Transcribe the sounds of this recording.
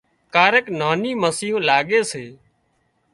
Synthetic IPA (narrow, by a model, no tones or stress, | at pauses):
kaːɾeknaːniːməsɪjõːlaːɠeːseː